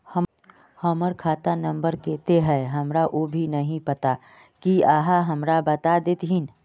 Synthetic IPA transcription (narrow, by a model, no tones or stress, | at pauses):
hə | hɔːməɾkʰaːt̪anə̃mbəɾkeːt̪eɦɛːɦɐmɾaʔoːbʱinɐɦĩpɐt̪a | kiaːɦaɦɐmɾabɐt̪ad̪et̪ɦin